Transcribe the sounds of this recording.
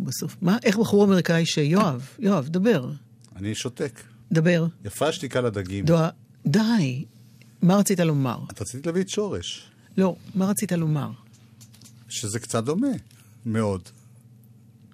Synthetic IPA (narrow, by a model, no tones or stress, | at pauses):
baso̞fmaʔe̞χbaχuʁame̞ʁikaiʃejoavjoavd̪abe̞ʁ | aniʃotek | d̪abe̞ʁjafeʃt̪ikalad̪aɡimd̪oa | d̪aj | maʁat͡sit̪alo̞ma̰ʁat̪ʁat͡sit̪ilavit̪ʃo̞ʁeʃ | lo̞maʁat͡sit̪alo̞ma̰ʁ | ʃezekt͡sat̚d̪o̞me | meo̞d̪